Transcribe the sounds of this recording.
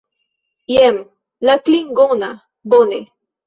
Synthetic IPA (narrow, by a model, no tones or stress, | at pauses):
jem | lakliŋɡona | bone